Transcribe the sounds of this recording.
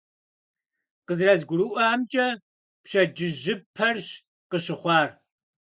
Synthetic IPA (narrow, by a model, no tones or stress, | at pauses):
qəzrɐzɡʷʊɾɨʔʷaːmt͡ʃʼɐ | pɕɐd͡ʒɪʑɪpʰɐrɕ | qəɕɪχʷɑːr